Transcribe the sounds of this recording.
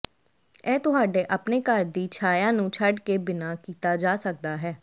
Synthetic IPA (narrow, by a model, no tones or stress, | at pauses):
ɛːt̪ʊɦaːɖeːʔəpneːkəɾd̪iːt͡ʃʰaːjãːnũːt͡ʃʰəɖkeːbɪnaːkiːt̪aːd͡ʒaːsək̚d̪aːɦɛː